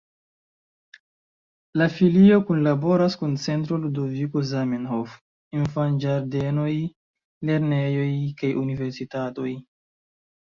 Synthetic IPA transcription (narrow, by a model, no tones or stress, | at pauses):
lafilio̞kunlabo̞ɾaskunt͡se̞nt̬ɾoludovikozamenhof | infand͡ʒaɾdeno̞j | le̞ɾne̞jo̞jkajʔunive̞ɾsitato̞j